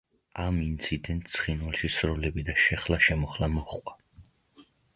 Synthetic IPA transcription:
amint̪sʰid̪ɛnt̪̚ʰsʰχinwalˠʃisɾɔlɛbid̪aʃɛχlaʃɛmɔχlamɔχqʼwa

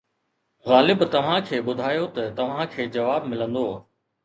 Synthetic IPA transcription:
ɣaːlɪbt̪ɐʋ̤ãkʰeːɓʊd̪ʱaːjot̪ɐt̪ɐʋ̤ãkʰeːd͡ʑɐʋaːbmɪlə̃nd̪oː

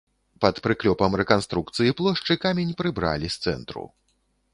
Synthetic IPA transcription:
pɐt̪pɾɨklʲɔpɐmrɛkanst̪ɾuk̚t̪sɨjiplˠɔʂt͡ʂɨkamʲenʲpɾɨbɾa̰lʲist̪sɛ̰nt̪ɾṵ

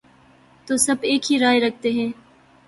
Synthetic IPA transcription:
t̪oːsɐbeːkɦiɾaːeɾɐk̚ʰt̪eɦɛ̃ː

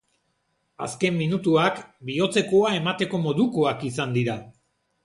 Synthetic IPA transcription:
a̰ske̞mːinut̪uakbio̞t͡se̞ko̞ae̞mat̪e̞ko̞mo̞ðuko̞akisand̪iɾa

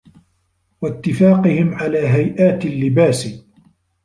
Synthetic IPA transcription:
wat̪ːɪfaːqɨhɪmʕalaːɦajʔaːt̪alːɪbaːs

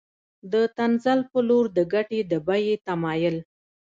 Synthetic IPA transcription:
d̪ət̪anzalpəloɾd̪əɡaʈed̪əbajet̪amɑjəl

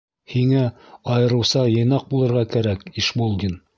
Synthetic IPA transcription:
hiŋæɑjɤ̆ɾɤ̆wsɑjɤ̆jnɑq̚bulˠɤ̆ɾʁɑkæɾækiʃbolˠɡʲin

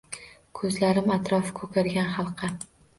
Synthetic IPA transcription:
kʰɵzlaɾɪmat̪ʰɾɒfkʰɵkʰʲaɾɡʲanχɑlˠqʰɑ

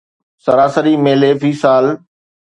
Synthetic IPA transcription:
sɐɾaːsəɾimeːleːpʰiːsaːl

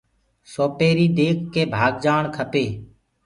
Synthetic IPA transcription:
soːpeːɾiːd̪eːkʰːeːbʱaːɡd͡ʒaːɳkʰəpeː

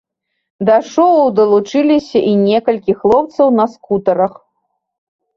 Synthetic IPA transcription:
d̪ɐʂɔwwd̪ɐlˠut͡ʂɨlʲisʲɐʔinʲɛkɐlʲkʲixlˠɔp̚t̪sɐwnɐskut̪ɐɾɐx

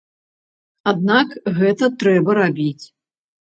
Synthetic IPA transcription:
ad̪̚nakɣɛt̪ɐt̪ɾɛbɐɾabʲit͡sʲ

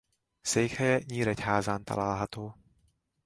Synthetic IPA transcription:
sɛjxɛjɛɲiːɾɛcɦaːzaːnt̪a̰laːɦat̪oː

